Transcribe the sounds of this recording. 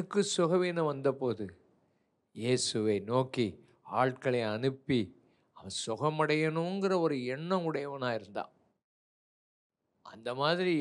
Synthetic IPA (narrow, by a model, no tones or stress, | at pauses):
ɯkːɯsʊɣɐʋiːnɐʋɐnd̪ɐpːoːðɯ | jeːsɯʋɐɪnoːki | aːɭkɐɭɐɪɐnɯpːi | ɐʋɐnsʊɣɐmɐɽɐjɐnuŋɡɪrɐɔɾɯɛɳːɐ̃mʊɽɐjɐʋɐnaːɪɾɯnd̪ã̰ː | ɐ̰nd̪ɐmaːðɪɾi